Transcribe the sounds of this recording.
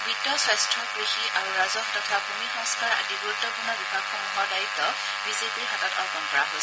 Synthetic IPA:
bidɔsajstɹɔɡɹixiʔaɹuɹazɔxtɔtʰabumixɔ̃ŋskaɹa̰dibuɹutːɔpunɔbibakɔmuɦɔɹdajit̪ːɔ | bizepiɹɦatatɔ̰ɹɡɔnpɔɹaɦojs

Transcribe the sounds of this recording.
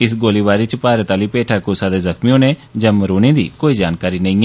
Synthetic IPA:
ɪsɡoːliːbaːɾiːt͡ʃəpaːɾət̪aːliːpeːʈʰaːkoːsaːd̪eːzəkmiõːnẽːd͡ʒɛ̃ːməɾoːneːd̪ḭːkoːiːd͡ʒaːnkaːɾiːnəĩː

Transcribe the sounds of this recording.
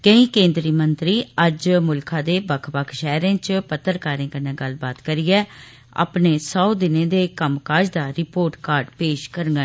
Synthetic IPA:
kəĩːkẽːnd̪ɾiːmənt̪ɾiːəd͡ʒmʊlkʰãːd̪eːbəkʰbəkʰʃɛːɾẽːt͡ʃpət̪ːəɾkaːɾẽːkəneːɡəlbaːt̪kəɾijɛː | a̰ːpneːsɔːd̪ɪnẽːd̪eːkəmkaːd͡ʒd̪aːɾɪpoːɾʈkaːɾɖpeːʃkəɾŋɡã

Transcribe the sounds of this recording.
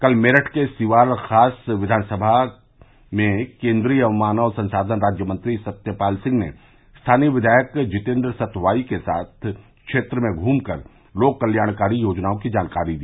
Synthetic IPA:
kɐlmeːɾəʈʰkesɪʋaːɾxaːsʋɪd̪ʱaːnsəbʱa | mẽkẽːnd̪ɾijɐʋmaːnaɔːɾsɐ̃nsaːd̪ʱənɾaːd͡ʒjəmə̃nt̪ɾisɐt̪jəpaːlsɪ̃ŋɡnḛ | st̪ʰaːniʋɪd̪ʱaːjəkd͡ʒɪt̪ẽːnd̪ɾəsɐt̪ʰʋaːikesa̰ːt̪ʰkʃeːt̪ɾəmẽɡʱũːmkəɾ | loːɡ̚kɐljaːɽkaːɾijoːd͡ʒnaːõkid͡ʒaːnkaːɾid̪iː

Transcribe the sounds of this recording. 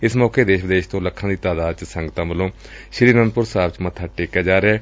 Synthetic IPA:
ɪsmɔːkeːd̪eːʃʋɪd̪eːʃt̪õːləkʰːãːd̪iːt̪aːd̪aːd̪̚t͡ʃsə̃ŋɡt̪ãːməlõː | ʃɾiːnənd̪̚pʊɾsaːbt͡ʃmət̪ʰːaːʈeːkːaːd͡ʒaːɾeɛː

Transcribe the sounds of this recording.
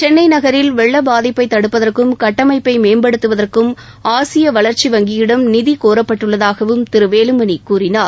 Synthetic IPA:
t͡ʃɛnːɐɪnɐɣɐɾɪlʋɛɭːɐbaːðɪpːɐɪt̪ːɐɽɯpːɐðɐrkɯmkɐʈːɐmɐɪpːɐɪmeːmbɐɽɯt̪ːɯʋɐðɐrkɯm | aːsɪjɐʋɐɭɐɾt͡ʃiʋɐŋɡɪjɪɽɐmnɪðikoːɾɐpːɐʈːɯɭːɐðaːɣɐʋɯmt̪ɪɾɯʋeːlɯmɐnikuːrɪnaːɾ

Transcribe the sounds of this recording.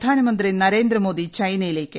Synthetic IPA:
d̪ʱaːnɐmɐnd̪rinɐɾe̞ːnd̪rɐmo̞ːd̪it͡ɕɐjnɐjile̞ːkʲːɨ

